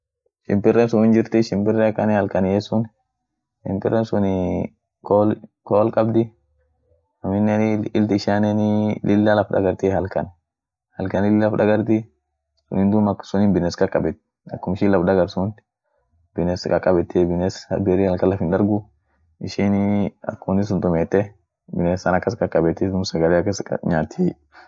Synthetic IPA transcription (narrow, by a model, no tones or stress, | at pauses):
ʃɪ̰mpɪrːɛnsʊɪnd͡ʒɪɾt̪ɪʃɪmpɪrːɛɐkːɐnɛhɐlkɐnjɛsʊn | ʃɪ̰mpɪ̰rːɛnsʊnɪ | kolkoːlkʼɐbd̪ɪ | ɐmɪnːnɪlt̪ɪʃaːnɛnɪlʔɪlːɐlɐfd̪ɐ̰ɡɐɾt̪ɪhɐlkɐn | hɐlkɐnɪlːɐfd̪ɐɡɐɾt̪ɪ | sʊ̰niːnd̪ʊmɐksʊniːnbɪnɛskʼɐkʼɐbɛt̪ː | ɐkːʊmɪʃilɐfd̪ɐɡɐɾsʊnt̪ | bɪnɛskʼɐ̰kʼɐbɛt̪ːɛbɪnɛsbeɾɪhɐlkɐlːɐfɪnd̪ɐɾɡʊ | ɪʃinɐ̰kːʊmnɪs̬ʊnt̪ʊmet̪ːɛ | bɪnesːɐnɐkːɐskʼɐkʼːɐbɛt̪ːɪd̪ʊmsɐɡɐlɛɐkːɐsɐ̰ɲaːt̪ʰːej